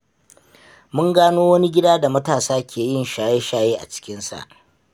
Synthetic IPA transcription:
mʊ˦ŋɡaː˦noː˦wɐ˦ni˦ɡʲɪ˦daː˦da˨mɐ˦taː˨saː˦kʲʰeː˨jɪ˦˨nʃaː˨je˦ʃaː˦jeː˦ʔa̰˨t͡ʃɪ̥˦kʲɪ˦nsa̰˨ʔ

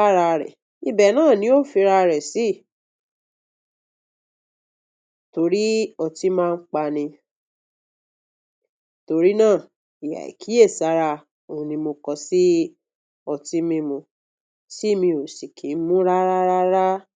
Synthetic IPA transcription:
a˦ɾa˧ɾɛ̰˨ | i˧bɛ˨nãː˦˨nĩ˨˦o˦˨fi˧ɾa˧ɾɛ˨si˦˨ | to˧ɾi˦ɔ˧ti˦mãː˦˧n̩˦k͡pa˧nĩ˧ | to˧ɾi˦nãː˦˨ | i˨ja̰˨ḭ˨kʰi˨˦e˦˨sa˨˦ɾa˧ | o˨ũ˧nĩ˧mo˧kɔ˧si˦ | ɔ˧ti˦mĩ˧mũ˧ | si˦˨mĩ˧o˨si˨kʰi˨˦mũ˦ɾa˦ɾa˦ɾa˦ɾa˦

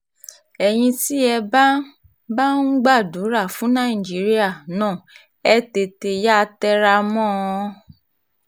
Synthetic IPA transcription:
ɛ˨j̃ĩ˧ti˦ɛ˧ba˦ | ba˦n̩˦ɡ͡ba˦˨du˨˦ɾa˦˨fũ˨˦nã˦˨ĩ˨d͡ʒi˨˦ɾi˦a˦˨nãː˦˨ | ɛ˦te˧te˧ja˦tɛ˦ɾa˧mɔ̃˦˧˦

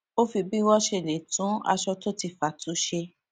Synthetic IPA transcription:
o˦fi˧bi˦wɔ˦ʃe˧˦˨le˨tũ˨˦a̰˧ʃɔ˧to˦ti˧˨fa˨tu˨˦ʃe˧

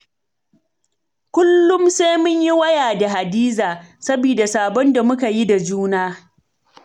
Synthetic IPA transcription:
kʷʊ˦lːʊ˦mse˦mʊ˦ɲji˦wɐ˦jaː˨da˨ɦa˨diː˦zaː˨sɐ˦biː˨da˨saː˨bɔ˦nda˨mʊ˦ka˨ji˦da˨d͡ʒuː˦naː˦

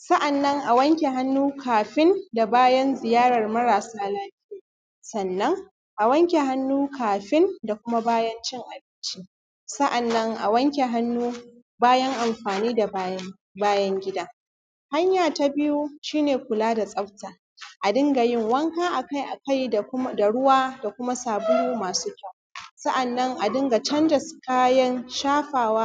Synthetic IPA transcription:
sɐ˦ʔa˨nːɐ˦ŋʔa˨wɐ˦ŋkʲe˨ɦa˦nːuː˦kʰaː˨ɸɪ˦nda˨baː˦jɐ˦nzɪ˨jaː˦ɽɐ˨rmɐ˦ɾaː˨saː˦laː˦ɸɪ˦jaː˦˨ | sɐ˨nːɐ˦ŋ | ʔa˨wɐ˦ŋkʲe˨ha˦nːuː˦kʰaː˨ɸɪ˦nda˨kʷʊ˦ma˦baː˦jɐ˦nt͡ʃɪ˦ŋʔa˨bɪ˦nt͡ʃi˦ | sɐ˦ʔa˨nːɐ˦ŋʔa̰˨wɐ˦ŋkʲe˨ɦa˦nːuː˦ | baː˦jɐ˦ŋʔa˨mɸaː˨niː˦da˨ba˦ | baː˦jɐ˦ŋɡʲɪ˦daː˦ | ha˦ɲjaː˨ta˦bɪ˦ju˦ʃiː˦neː˨kʷʊ˨laː˦da˨sʼɐ˦ɸtaː˨ | ʔa˨dɪ˦ŋɡa˨jɪ˦˨ŋwɐ˦ŋkaː˦ʔa˨ka˦˨jʔa̰˨ka˦jda˨ɽʊ˦waː˦da˨kʷʊ˦ma˦saː˨bʊ˦ju˦maː˨suː˦kʲɐ˦˨wsɐ˦ʔa˨nːɐ˦ŋʔa˨dɪ˦ŋɡa˨t͡ʃɐ˦ndɐ˨skaː˦jɐ˦nʃaː˦ɸaː˨waː˦

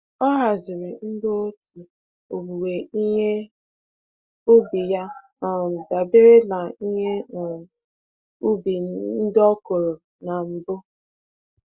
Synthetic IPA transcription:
ɔ˦ɦa˨zɪ˨ɾɪ˨n̩˦do˦o˦tu˨ | o˨bu˨we˨i˦ɲe˦ | u˦bi˨ja˦ | ɔ˨da˨bɪ˦ɾɪ˦la˨i˦ɲe˦˨ | u˦bi˨n̩˦dɔ˦ko˨ɾo˨ | na˨m̩˨bʊ˦

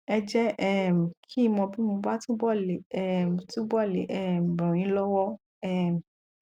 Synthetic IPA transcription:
ɛ˧d͡ʒɛ˦ʔɛ˦m˨kʰi˦mɔ̃˧bi˦mõ˧ba˦tũ˦bɔ˦˨le˨ɛ˦˨tũ˦bɔ˦˨le˨ʔɛ˦˨bɾɔ̃˨ĩ˨˦lɔ˦wɔ˦ | ɛ˦˨m˨

